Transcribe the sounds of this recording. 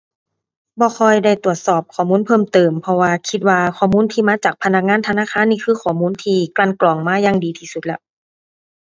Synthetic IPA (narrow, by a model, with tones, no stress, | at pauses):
bɔː˧˦xʰɔː˧jda˧˩jt̪u˨˩ət̪̚sɔː˨˩p̚kʰɔː˧˩muː˧˥˨npʰɤː˧˥˨mt̪ɤː˨˩mpʰɔ˧waː˧kʰi˧t̪̚waː˧kʰɔː˧˩muː˧˥˨nt̪ʰiː˧maː˧˥t͡ɕaː˨˩k̚pʰa˧na˧˥k̚ŋaː˧˥˨nt̪ʰa˧naː˧˥˨kʰaː˧˥˨nːiː˧˩kʰɯː˧˩kʰɔː˨˩muː˧˥˨nt̪ʰiː˧kla˧˩˨nklɔː˨˩ŋmaː˧˥˨ja˧ŋdiː˨t̪ʰiː˧˩su˧˦lɛ̰˧ʔ